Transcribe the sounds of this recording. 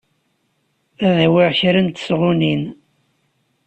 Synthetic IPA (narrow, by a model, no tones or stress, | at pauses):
æðæwɪʁçɾənt̪sʁunin